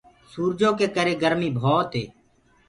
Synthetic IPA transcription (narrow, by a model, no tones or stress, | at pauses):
suːɾd͡ʒõːkeːkəɾeːɡəɾmiːbʱoːt̪ɦḛː